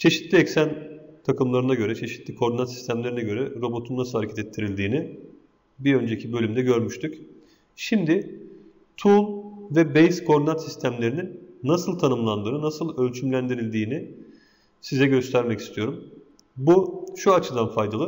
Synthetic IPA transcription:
t͡ʃʰe̞ʃit̪lʲiɛcsænt̪ʰakɯmlˠaɾɯnaɟø̞ɾɛt͡ʃʰe̞ʃi̥t̪ʰlʲikʰo̞ɾd̪inat̪si̥st̪ʰæmlʲe̞ɾinɛɟø̞ɾɛɾo̞bo̞t̪ʰunːasɯlˠaɾecʰet̪ɛt̪ʰːiɾilʲd̪iːnɪ | biø̞nd͡ʒecʰibø̞lʲymd̪ɛɟø̞ɾmyʃt̪ʰyc | ʃimd̪ɪ | t̪ʰulˠvɛbejskʰo̞ɾd̪inat̪sist̪ʰæmlʲe̞ɾininːasɯlˠt̪ʰanɯmlˠand̪ɯːnɯnasɯlˠø̞lʲt͡ʃʰymlʲænd̪iɾilʲd̪iːni | sizɛɟøst̪ʰæɾmɛci̥st̪ʰijo̞ɾum | buʃuat͡ʃʰɯd̪anfajd̪alˠɯ

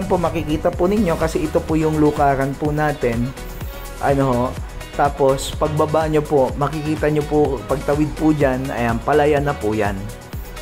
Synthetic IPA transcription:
npomɐkɪkiːt̪ɐpʊnɪɲːo̞kɐsɛʔɪt̪opʊjʊŋlʊkaːɾɐnpʊnaːt̪ɛn | ʔɐno | t̪aːpo̞spɐɡ̚bɐbaɲopoʔmɐkɪkiːt̪ɐɲopʊpɐɡ̚t̪ɐwɪd̪̚pʊd͡ʒanɐ̰jɐŋpɐlɐjanɐpʊja̰n

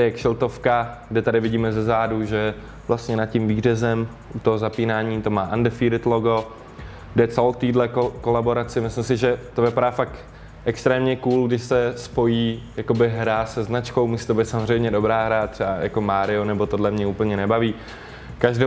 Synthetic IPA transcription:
ɛkʃɪlt̪o̞fkaɡdɛt̪adɪvɪɟiːmɛzɛzaːduʒɛ | vlast̪ɲɛnat̪cɪmviːrɛzɛm | ʔut̪oɦozapiːnaːɲiːt̪o̞maːʔandɛfiːɾɪt̪loɡo̞ | ɡdɛt͡sɛlowt̪iːdlɛkkolabo̞ɾat͡sɪmɪslɪmsɪʒɛt̪o̞vɪpaɾaːfak̚t̪ | ʔɛkst̪ɾɛːmɲɛkuːlɡdɪʃsɛspo̞jiːjako̞bɪɦɾasɛznat͡ʃko̞wmusi̥ːt̪obɛjt̪samozrɛjmɲɛdo̞bɾaːɦɾat̪r̥ɛbaja̰ko̞maːɾɪo̞nɛbo̞t̪o̞dlɛmɲɛupl̩ɲɛnɛbaviː | kaʒdɛ

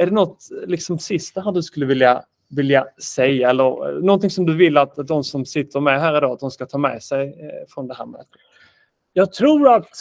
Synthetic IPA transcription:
æɖɛnɔt̪ːlɪksɔmsɪst̪aɦæːɖɵskɵlːəvɪlja | vɪljasɛjːaɛlːəɾnɔnt̪ɪŋsɔmd̪ɵvɪlːat̪d̪ɔnsɔmsɪt̪ʰːəɾmɛɦæːɾɪd̪ɑːat̪̚d̪ɔmskat̪ʰɑːmɛːsɛjfɾɔnd̪ɛɦæ̰ːɾmɛ̰ːt̪ | jɑːɡ̚t̪ʰɾuːɾat̪

